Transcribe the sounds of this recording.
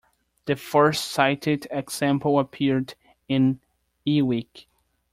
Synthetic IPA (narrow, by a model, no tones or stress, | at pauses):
ðɨfɜ˞stsaɪɾɪdɨɡz̥æ̃mpl̩ˠəpʰɪɹd | ɪ̃n | iwik